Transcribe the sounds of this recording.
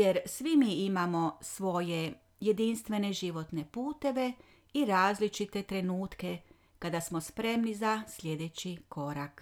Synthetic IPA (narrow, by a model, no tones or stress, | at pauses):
jeɾsʋimiimamo̞sʋo̞je̞ | je̞d̪inst̪ʋe̞ne̞ʒiʋo̞t̪ne̞puːt̪e̞ʋe̞ | iɾaːzlit͡ʃit̪e̞t̪ɾe̞nuːt̪ke̞ | kad̪asmo̞spɾe̞mnizasʎʲe̞d̪e̞t͡ɕiko̞ɾak